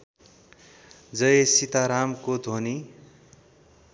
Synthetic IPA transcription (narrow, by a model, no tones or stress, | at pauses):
d͡zʌjesit̪aɾamkod̪ʱoni